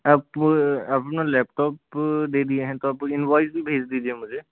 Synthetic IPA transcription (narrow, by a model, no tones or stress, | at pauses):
ɐpɐpnãlɛːpʈɔːpd̪eːd̪ieɦɛ̃t̪oɐpɪnʋaːɪzbʱibʱeːd͡ʒd̪iːd͡ʒiemʊd͡ʒʱe